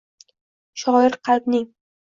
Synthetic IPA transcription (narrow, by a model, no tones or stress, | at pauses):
ʃɒjɪɾqʰɑlˠb̪nɪŋ